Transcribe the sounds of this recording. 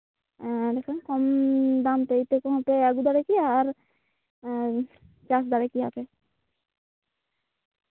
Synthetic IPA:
ɾɛkʰankɔmd̪amt̪eit̪ekɔmɦapeɛɡud̪aɾekiaɾ | t͡ɕas̬d̪aɾekiɦape

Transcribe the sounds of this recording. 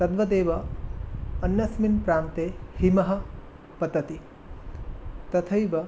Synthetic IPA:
t̪ɐd̪ʋɐd̪eːʋɐː | njɐsminpɾaːmt̪eːhimɐɦɐ̆ | pɐd̪ɐt̪i | t̪ɐt̪ʰɐjʋɐ

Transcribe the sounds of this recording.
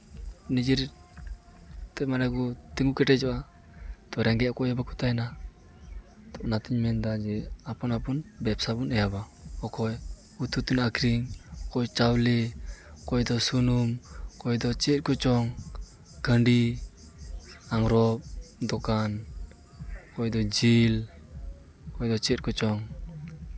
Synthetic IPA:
nid͡ʒiɾ | t̪ɛmanaɡut̪iŋɡukɛʈɛd͡ʒɔʔa | t̪ɔɾɛŋɡɛʔakɔjabaku̥t̪ajna | t̪ɔʔnat̪iɲmɛnd̪ad͡ʒɛapɔnapunbɛpsabunɛjaba | ɔkɔj | ut̪ut̪unakɾiŋkɔjt͡ʃawlɛkɔjd̪ɔsunumkɔjd̪ɔt͡ʃɛt̪̚kɔt͡ʃɔŋ | kəɳɖi | aŋɾɔp̚d̪ɔkan | kɔjd̪ɔd͡ʒil | kɔjd̪ɔt͡ʃɛt̪̚kɔt͡ʃɔŋ

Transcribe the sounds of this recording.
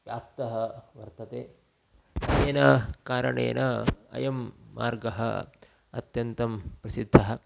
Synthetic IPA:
jaːpt̪ɐɦɐʋɐɾt̪ɐt̪eː | eːnɐkaːɾɐɳḛːnɐɐ̰jɐmːa̰ːɾɡɐɦɐ̰ | ɐ̰t̪jɐnt̪ɐmpɾɐsid̪ʱːɐɦɐ

